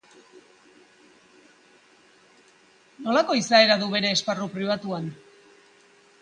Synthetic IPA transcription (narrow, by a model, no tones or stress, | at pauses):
no̞lako̞isae̞ɾaðuβe̞ɾe̞ːsparupɾiβ̞at̪uan